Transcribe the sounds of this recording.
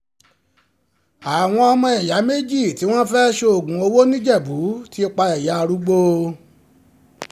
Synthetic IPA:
a˨w̃ɔ̃˧ɔ˧mɔ̃˧ɛ˨ja˨˦me˦d͡ʒi˦˨ti˨˦w̃ɔ̃˦fɛ˦ʃo˧o˦˨ɡũ˨o˧wo˦nĩ˦d͡ʒɛ˦˨bu˨˦ti˦i˧k͡pa˧ɛ˨ja˨˦˧ɾu˨˦ɡ͡bo˧

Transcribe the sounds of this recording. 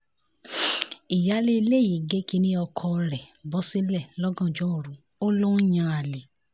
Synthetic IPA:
i˨ja˨˦le˦i˧le˦˨ji˨˦˨ɡe˦ki˧nĩ˦ɔ˧kʰɔ˧ɾɛ˨bɔ˨˦si˦lɛ˦˨lɔ˦ɡɔ̃˦˨d͡ʒɔ˨˦˨ɾũ˨˦ | o˦lõ˦jã˧a˨le˨

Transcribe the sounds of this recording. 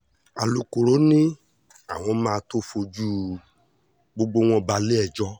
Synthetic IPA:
a˨lu˨ko˨ɾo˨˦nĩ˦ | a˨w̃ɔ̃˧mãː˦˧to˦fo˧d͡ʒu˦ | ɡ͡bo˧ɡ͡bo˧w̃ɔ̃˦˨ba˧le˦ɛ˨d͡ʒɔ˧˦

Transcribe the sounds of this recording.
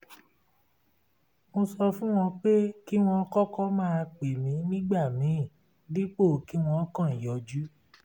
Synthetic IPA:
mo˧sɔ˧fũ˦w̃ɔ̃˧k͡pe˦ki˦w̃ɔ̃˧˦kɔ˦kɔ˦mãː˦˧k͡pe˨mĩ˨˦nĩ˦ɡ͡ba˦˨mĩ˨˦˨ | di˦k͡po˦˨ki˨˦w̃ɔ̃˧˦kã˦˨i˨jɔ˨˦d͡ʒu˦

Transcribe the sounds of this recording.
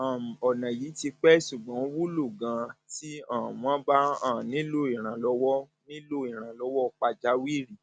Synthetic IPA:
a˨ɔ˨nã˨ji˨˦ti˧k͡pɛ˦ʃu˨ɡ͡bã˨˦wu˦lo˦˨ɡã˧ti˦ãː˦˨w̃ã˦ba˦ã˦˨nĩ˨˦lo˦˨i˨ɾ̃ã˨lɔ˧˦wɔ˦ | nĩ˦lo˦i˨ɾ̃ã˨lɔ˧˦wɔ˦˨k͡pa˧d͡ʒa˨˦wi˦˨ɾi˦˨

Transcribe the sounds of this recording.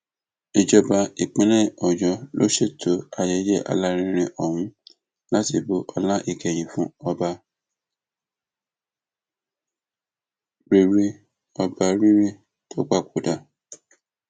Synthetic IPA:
i˨d͡ʒɔ˧˦ba˧i˨k͡pẽ˨˦nɛ̃˦˨ɔ˨d͡ʒɔ˨˦lo˦ʃe˦˨tʰo˨˦a˨jɛ˧˦d͡ʒɛ˦ʔa̰˨˧la˦ɾ̃ĩ˦ɾ̃ĩ˧ʔɔ˦˨hũ˨˦ | la˦ti˧˨bo˦ʔɔ˧la˦ʔi˦˨kɛ˨j̃ĩ˨fũ˦ɔ˧ba˧ | bi˨ɾi˧ | ɔ˧ba˧ɾi˦ɾi˦ | to˦k͡pa˦˨kʰo˨˦da˨

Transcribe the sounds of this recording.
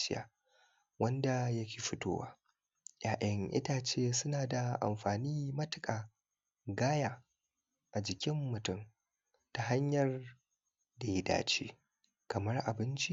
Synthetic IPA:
ʃɪ˦a̰ː˨ | wɐ˦nda˨jɐ˦kʲeː˨ɸɪ˦to̰ː˦wa̰ː˦ | jaː˨ʔɐ˦ŋʔɪ̰˦ta˨t͡ʃeː˦˨sʊ˦naː˨da˨ʔa̰˨mɸaː˨niː˦mɐ˦tɪ˨kʼaː˨ | ɡaː˦jaː˨ | ʔa˨d͡ʒɪ˨kʲɪ˦mːʊ˨tʊ˦˨m | ta˨ɦa˦ɲjɐ˨r | da˨jɪ˦da̰ː˨t͡ʃeː˦ | kɐ˨mɐ˦rʔa˨bɪ˦nt͡ʃi˦

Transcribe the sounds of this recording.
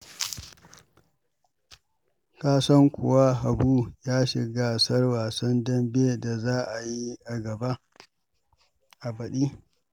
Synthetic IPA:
kaː˦sɐ˦ŋkʷʊ̰˨wa˦ɦa˨buː˦jaː˦ʃɪ˨ɡaː˦sɐ˦rwaː˨sɐ˦ndɐ˦mbeː˦da˨zaː˦ʔa˨ji˦ʔa˨ɡɐ˨ba˦ | ʔa˨bɐ˨ɗiː˦

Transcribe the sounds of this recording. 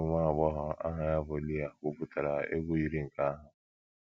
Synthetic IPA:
ŋʷa˦˨bɔ˦ɦʊ˨a̰˦ɦa˨ja˦bo˨˦li˦a˦ko˦pu˦ta˨ɾa˨ḛ˦ɡʷo˦i˦ɾi˦ŋ̩˨ka˦a˦ɦʊ˨

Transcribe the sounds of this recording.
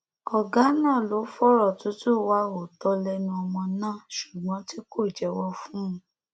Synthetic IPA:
ɔ˨ɡa˨˦nãː˦˨lo˨˦fɔ˦ɾɔ˦˨tu˨˦tu˦wa˦o˨dɔ˦lɛ˧nũ˧˦ɔ˧mɔ̃˧nãː˦˨ʃu˨ɡ͡bɔ̃˨˦ti˦ko˦˨d͡ʒɛ˧wɔ˧fũ˦ũ˨˦

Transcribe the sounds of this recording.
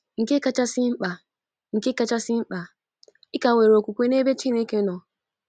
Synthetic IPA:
ŋ̩˨ke˦ka˦t͡ʃa˦sɪ˦m̩˦k͡pa˨ | ŋ̩˨ke˦ka˦t͡ʃa˦sɪ˦m̩˦k͡pa˨ | i˦ka˨ŋʷe˨ɾe˨o˨kʷu˨kʷe˦ne˦be˦t͡ʃi˦ne˦ke˦nɔ˨

